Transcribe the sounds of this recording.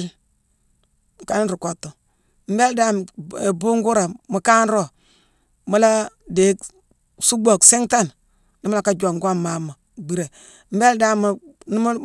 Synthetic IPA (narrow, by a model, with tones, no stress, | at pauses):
ka˨ni˦ɾu˨ko˨tːo˨ | m̩˦be˦lda˦m˨e˨bu˦ŋɡu˦ɾa˨mu˨ka˦nɾo˦ | mu˦la˦de˨˦k | su˦ɡ͡bo˨kse˦ŋta˦˨n | ni˦ma˦la˦ka˦d͡ʒo˨ŋɡo˦mːa˦mːa˨ | ɡ͡bi˦ɾe˨ | m̩˦be˦lda˦mu˨ni˦m˦